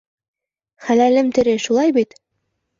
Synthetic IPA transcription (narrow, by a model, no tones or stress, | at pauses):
χælælɘmt̪ɘ̆ɾɘʃulˠɑjbit̪